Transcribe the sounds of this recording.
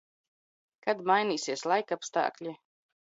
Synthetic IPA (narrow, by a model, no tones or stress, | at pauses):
kad̪majnʲiːsiɛslˠajkapst̪a̰ːklʲi